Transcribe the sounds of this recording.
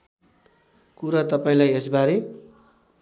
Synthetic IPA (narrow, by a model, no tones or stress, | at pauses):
kuɾat̪ʌpaĩlajesbaɾe